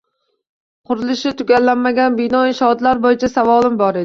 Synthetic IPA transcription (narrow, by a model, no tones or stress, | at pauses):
qʰʊɾɪlˠɪʃɪt̪ʰʊɡʲalːanmaɡʲanbɪnɒɪʃɒd̪laɾbojɪt͡ʃʰasavɒlˠɪmbɒɾed̪ɪ